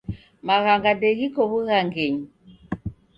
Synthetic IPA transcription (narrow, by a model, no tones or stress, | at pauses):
maɣaŋɡadeɣikoβuɣaŋɡeɲ